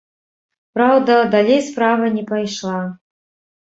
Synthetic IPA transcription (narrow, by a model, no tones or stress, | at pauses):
pɾawd̪ɐd̪alʲejspɾavɐnʲɛpajʂlˠa